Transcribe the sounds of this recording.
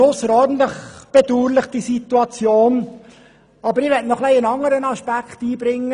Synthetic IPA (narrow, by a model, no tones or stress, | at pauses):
ʊsəɾɔrdn̩t̪ləχb̥ɛd̥uːɾlɪχd̥isit̪uɑt͡sjoːn | ɑbəɾɪʋɛtnɔχlɛɪənɑŋəɾənɑʃpækχtiːbɾɪŋːə